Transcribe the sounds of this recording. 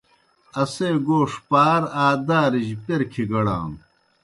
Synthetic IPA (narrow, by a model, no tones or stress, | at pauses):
ɐseːɡoːʂpaːɾaːd̪aːɾiʑpeɾkʰiɡɐɽa̰ːm